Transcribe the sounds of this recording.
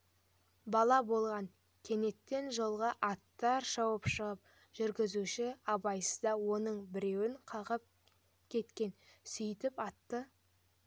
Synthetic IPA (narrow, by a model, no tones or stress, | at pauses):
bɑlˠɑbo̞lˠʁɑŋ | kʲʰe̞ne̞t̪ːe̞nʒo̞lˠʁɑʔɑt̪ːɑɾʃɑwəpʃəʁəp̚ | ʒ̥ʏɾɡʲɪzuʃɪɑbɑjsə̥zd̪ɑwo̞nəɴbɪɾe̞wɪɴqʰɑʁəp̚ | kʲʰe̞t̪kʲe̞nsʏjt̪ɪpɑt̪ːə